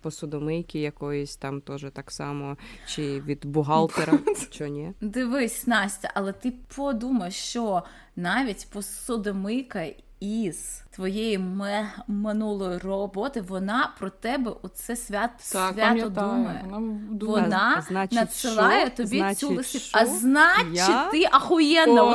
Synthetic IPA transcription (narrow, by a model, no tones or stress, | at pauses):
pɔsʊd̪ɔmɪjkʲijɐkɔjɔsʲt̪ɑmt̪ɔʒɛt̪ɑksɑmɔt͡ʃɪʋʲid̪bʊɦɑlˠt̪eɾɐmt͡ʃɔnʲɛd̪ɪʋɪsʲnɑsʲtʲɐʔɐlˠɛt̪ɪpʰɔd̪umɐjʃt͡ʃɔ | nɑʋʲitʲpɔsɔd̪ɔmɪjkɐ | iz̥t̪ʋɔjejimmɪnulˠɔjirɔbɔt̪ɪʋɔnɑpɾɔt̪ɛbɛʔɔsɛsʲʋʲat̪sʋʲat̪ɔd̪umɐjɛ̰ʋɔnɑnnɐt̪sɪlˠɑjɛt̪ɔbʲisʲulˠɪsʲiɐznɑt͡ʃːɪɪʔɐxɔjɛnːɐ